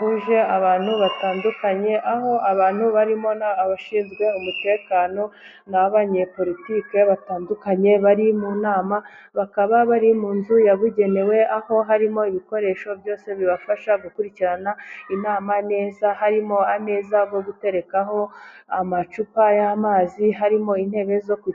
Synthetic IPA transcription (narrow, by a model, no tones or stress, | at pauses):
huʒe̞aβaːn̥huβataːndukaɲe̞ʔaho̞aβaːn̥huβaɾimo̞naaβaʃiːnzɡwe̞umute̞ːkaːno̞ | naβaɲe̞po̞ɾitiːke̞βataːndukaɲe̞βaɾimunaːma | βakaβaβaɾimuːnzujaβuɟe̞ne̞we̞aho̞ɦaɾimo̞iβiko̞ɾe̞ːʃo̞bjo̞ːse̞βiβafaʃaɡukuɾiciɾanainaːmane̞ːzahaɾimo̞ame̞ːzaɡo̞ɡute̞ɾe̞kaɦo̞amat͡ʃupajamaːziɦaɾimo̞in̥he̞ːβe̞zoku